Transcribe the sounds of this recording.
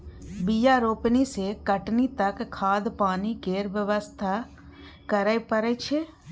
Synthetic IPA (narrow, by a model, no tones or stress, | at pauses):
bijaɾoːpnisekəʈnit̪ɐkkʰːaːd̪paːnikeːɾʋjəʋəst̪ʰa | kɐɾəjpəɾɛt͡ʃʰe